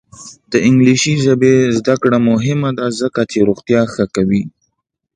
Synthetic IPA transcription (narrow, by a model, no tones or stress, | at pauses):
d̪̥əɪŋɡliʃiʒabezd̪akɽamʊɦɪmad̪azəkat͡ʃeɾoɣt̪jɑxəkawi